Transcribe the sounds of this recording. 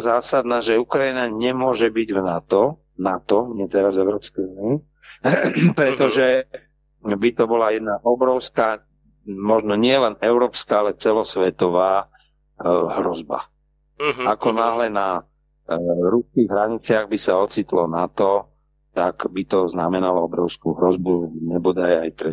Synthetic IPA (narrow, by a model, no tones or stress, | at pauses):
zaːsad̪naːʒɛukɾainaɲɛmʊɔʒɛbiɟvnat̪ɔ | nat̪ɔɲɛt̪ɛɾazɛʊɾɔːpskɛjunii | pɾɛt̪ɔʒɛ | bit̪ɔbɔlajɛd̪naʔɔbɾɔʊskaː | mɔʒnɔɲɪɛlɛnɛʊɾɔːpskaalɛt͡sɛlɔsʋɛt̪ɔʋaː | ɦɾɔzba̰ | akɔnaːɦlɛna | ɾuskiɣɦɾaɲit͡sɪaɣbisaɔt͡sit̪lɔnat̪ɔ | t̪akbit̪ɔznamɛnalɔɔbɾɔʊskuɦɾɔzbuɲɛbɔd̪ajajt̪ɾɛ